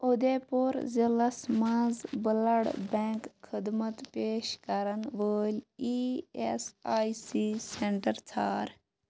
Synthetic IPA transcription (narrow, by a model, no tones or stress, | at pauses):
od̪epoɾzɐlɐsmãːzbəlɐɽbẽŋkxʰid̪mɐt̪peːʃkɐɾɐnʋəːlʲiesaːjsiseɳʈɐɾt͡sʰaːɾ